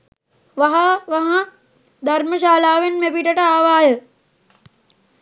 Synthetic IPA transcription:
ʋaɦaʋaɦã | d̪ʱɐɾməʃaːlaːʋenmepiʈəʈəaːʋaːjə

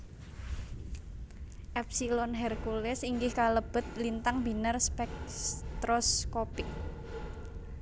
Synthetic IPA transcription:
ʔɛp̚silɔnɦɛrkulɪsiŋɡɪhkaləb̥ə̤t̪̚lint̪aŋbi̤nərspɛk̚st̪ɾɔskopɪk

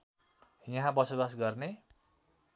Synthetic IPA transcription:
jɦãbʌsobasɡʌrne

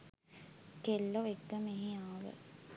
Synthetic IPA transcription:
kelːoʋekːəmeɦiaːʋə̰

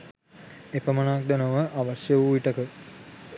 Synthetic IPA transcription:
epəmənaak̚d̪enoʋəʔaʋasjəuiʈəkə

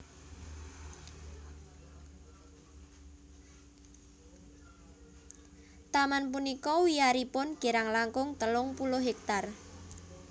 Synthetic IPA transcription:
t̪amanpunikɔwiaɾipʊnɡ̥iɾaŋlaŋkʊŋt̪əlʊŋpulʊɦɛk̚t̪ar

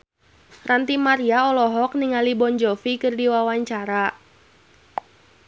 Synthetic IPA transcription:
rant̪imaɾiaɔlɔɦɔk̚niŋalibɔnd͡ʒɔfikɨrdiwawaɲt͡ʃaɾa

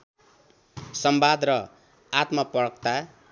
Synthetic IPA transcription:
sʌmbad̪rʌ | at̪mapʌɽʌkt̪a

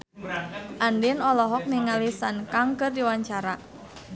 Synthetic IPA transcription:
ʔandɪnɔlɔɦɔk̚niŋalisankaŋkərdiwaɲt͡ʃaɾa

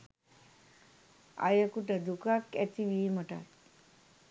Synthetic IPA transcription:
a̰jəkuʈəd̪ukakæt̪iʋiːməʈa̰k

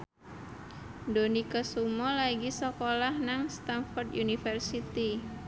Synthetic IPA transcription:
donikasumɔlaɡisɔkolahnaŋst̪anfɔrd̪ʔunifərsit̪i

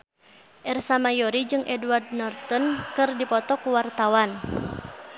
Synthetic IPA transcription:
ʔɛrsamajɔɾid͡ʒɨŋʔɛduwardnɔrt̪ɔnkɨrdipɔt̪ɔkuwart̪awan

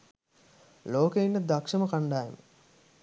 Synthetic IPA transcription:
loːkeinːəd̪akʂɐməkaɳɖaːjḛmə̰

